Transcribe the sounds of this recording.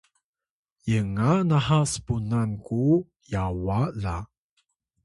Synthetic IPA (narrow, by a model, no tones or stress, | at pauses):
jəŋanahasə̥punanku | jawala